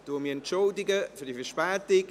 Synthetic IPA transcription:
d̥umiːɛntt͡ʃoldɪɡəfydifəʃpɛːtɪk

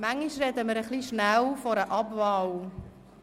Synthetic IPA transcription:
mæŋiʃɾɛdəməɾəχliʃnæwfɔɾəʔɑbvɑw

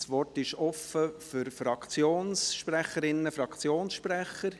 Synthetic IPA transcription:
sʋɔrtɪʃɔfəfʏɾfɾɑkʰt͡sjoːnsʃpræχəɾɪnːəfɾɑkt͡sjoːnsʃpræχːəɾ

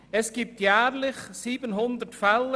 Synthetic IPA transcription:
ɛsɡ̥iːp̚t̪jæːrlɪχsiːbənɦʊnd̪ətfɛl

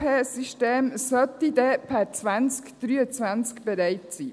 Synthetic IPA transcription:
pʰeːsiʃteːmsœt̪id̪ɛpʰɛɾt͡sʋant͡skd̪̥ɾyːət͡sʋant͡skb̥ɛɾɛɪt̪siː

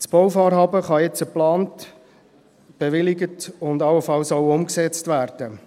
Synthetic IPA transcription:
sb̥ɔwfɑːɾɦɑːbəχɑjɛt͡səplɑːnt | b̥eʋɪlɪɡətʊndɑləfɑlsɔʊʊmksɛt͡stvæːɾd̥ə

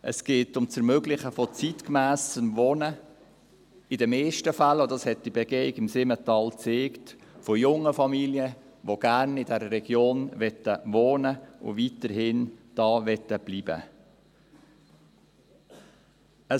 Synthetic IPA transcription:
ʔə̰sɡ̥eːtʊmt͡səɾmøɡlɪχəfɔt͡sitkmæːsəmʋɔnə | ɪdɛmeːʃtəfælodɑshɛt̚d̥ibɛɡ̥eːɪɡɪmsɪmətɑːlt͡seːktfɔjʊŋəfɑmiljə | ʋoɡ̥æɾnɪdɛɾəɾɛɡ̥joːnʋɛtːəʋoːnəʊ̰ʋitəɾɦɪnd̥ɑːʋɛtːəb̥lib̥ə̰ | ə

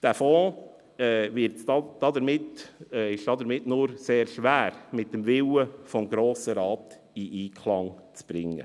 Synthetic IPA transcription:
d̥æfɔː | ɛvɪɾtsdɑd̥ɑd̪əɾmɪtɪʃd̥ɑd̪əɾmɪtnʊɾseːɾʃʋæːɾmɪt̚dəmvɪwəfɔmɡɾoːsəɾɑːt | iʔiːkʰlɑŋt͡sb̥ɾɪŋːə̰

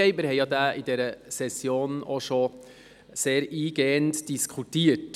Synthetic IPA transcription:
ɛɪmɪɾhɛɪjɑːd̪æːidɛɾəsɛsjoːnoʃo | seːɾiːɡentd̥iskʰutiːət

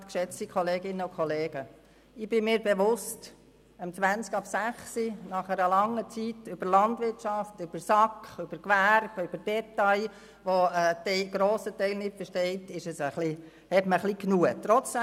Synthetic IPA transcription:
t̪kʃɛt͡stikχɔleːɡɪnːəʊkʰχɔleːɡ̥ə | ɪb̥ɪmɪːɾbeʋʊst | əmt͡sʋænt͡skɑpsæχsinɑχæɾəlɑŋːət͡sitʏb̥əɾlɑndʋɪrtt͡ʃɑftøb̥əɾsɑkχʏb̥əɾkʋærb̥yb̥əd̥ɛt̪ːɑɪ | ʋoɛːtɛɡ̥ɾoːsətɛɪlnɪtfəʃtɛɪtɪʃəsəχli | hɛtməχliknuət̪ɾɔt͡sɛ

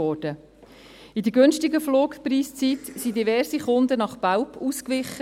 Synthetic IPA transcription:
ɔːd̥ə | id̪əɡønʃtɪɡəfloːkpɾiːst͡sit̪sidivɛɾsiχʊnd̪ənɑχpawpʰuːskʋɪχːə

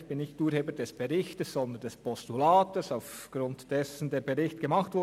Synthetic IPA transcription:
çb̥ɪnːɪçtuːɾheːbəɾdɛsb̥ɛʁɪçtəsz̥ɔndəndɛspɔstulaːtəsaʊf | ɡ̥ʁʊntd̥ɛsn̩deːbeʁɪçtɡ̥əmɑχtv̥ʊ

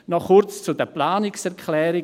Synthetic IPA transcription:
nɔχʊɾt͡st͡sudəplaːnɪksɛɾkʰlɛːɾɪ

